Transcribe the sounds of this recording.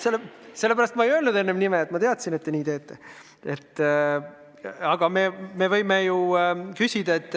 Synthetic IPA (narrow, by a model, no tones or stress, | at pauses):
selːse̞lepæɾɑst̪mɑejølnud̪e̞nːemnimeet̪mɑt̪e̞ɑt̪sinet̪ːe̞nʲiːt̪e̞ːt̪ːˑe | e̞t̪ː | ɑɡ̥ɑmeme̞vɤjmejukysʲid̪̥ɑe̞t̪ːˑ